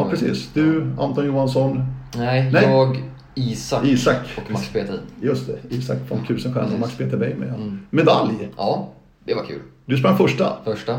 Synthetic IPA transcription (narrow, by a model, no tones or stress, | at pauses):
pʰɾɛsḭːsd̪̥ɵa̰mt̪ɔnjuːhansɔnnɛjnɛjːɡ | iːsaiːsakːɔkspʰeːt̪əjɵst̪ɛiːsak̚t̪fɛmt̪ʰʉ̟ːsənɧɛ̰nɔmakspʰeːt̪əɾbɛjmɛ̰jɑmɛd̪a̰ljɑː | d̪ɛvakʰʉ̰ːld̪ɵs̬pɾaŋfœʂʈa̰fœʂʈa